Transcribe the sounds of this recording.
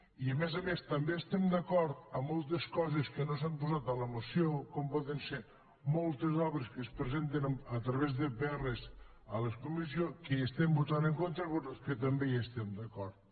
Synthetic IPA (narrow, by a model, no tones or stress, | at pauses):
iəmɛzəmest̪ɐmbeːst̪ɛmd̪ɐkɔɾt̪əmɔlˠt̪eskɔzeskənosampuzat̪ələmusiokɔmpɔðense | molˠt̪ezɔβɾeskəspɾəzent̪̬enət̪ɾɐβezðeβɛrez | əleskumizjokeest̪ɛmbut̪aneŋkont̪ɾəβokət̪ɐmbeest̪ɛmd̪əkɔɾt̪